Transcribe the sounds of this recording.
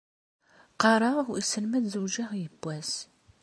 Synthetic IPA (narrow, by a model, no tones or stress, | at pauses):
qɑɾˤɑʁisəlmæd̪zuwʒæʁjəbːæs